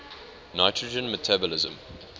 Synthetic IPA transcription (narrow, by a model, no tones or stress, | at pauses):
naɪtʰɹəd͡ʒə̃nmətʰabəlɪzə̰̃m